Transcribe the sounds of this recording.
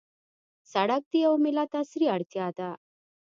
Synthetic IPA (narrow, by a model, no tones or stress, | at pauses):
saɽak̚t̪iəwmelat̪asɾiaɽt͡ɕaat̪a